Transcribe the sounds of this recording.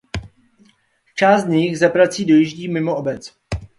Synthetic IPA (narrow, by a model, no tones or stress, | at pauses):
t͡ʃaːst̪ɲɪxzapɾat͡siːdo̞jiʒɟiːmɪmoʔobɛt͡s